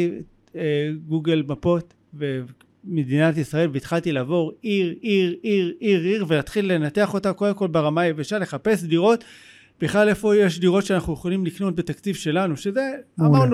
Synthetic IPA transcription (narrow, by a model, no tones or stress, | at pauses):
eɡuɡelmapo̞t | ve | medinatisʁae̞lveit̪χalt̪ilaːvo̞ʁiʁiʁiʁiʁiʁve̞lat̪χilːe̞nate̞aχo̞tako̞demko̞lbeʁamajeveʃale̞χape̞sdiʁo̞t | biχlalefo̞jeʃdiʁo̞tʃeanaχnujoχolimlikno̞t̪̚bet̪akt͡sivʃe̞lanuʃeze̞amaʁn